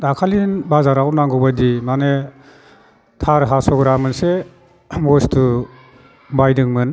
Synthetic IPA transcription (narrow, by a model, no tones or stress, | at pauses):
dakʰalinbazaɾawnaŋɡɔbajdimane | tʰaɾɦasɔɡɾamɯnse | bɔstu | bajdɯŋmɯn